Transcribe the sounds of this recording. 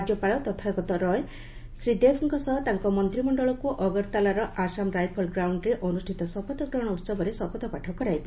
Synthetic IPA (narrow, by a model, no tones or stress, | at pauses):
ad͡ʒɔpaɭɔt̪ɔt̪ʰakɔt̪ɔɾɔe | sɾid̪ebʰʱɔŋkɔsɔɦɔt̪aŋkɔmɔnt̪ɾimɔɳɖɔɭɔkuʔɔɡɔɾt̪alaɾɔʔasamɾajpʰɔlɡɾawɳɖɾeʔɔnusʈʰit̪ɔsɔpɔt̪ɔkɾɔɽ̃ɔussɔbɔɾesɔpɔt̪ɔpaʈʰɔkɔɾajbi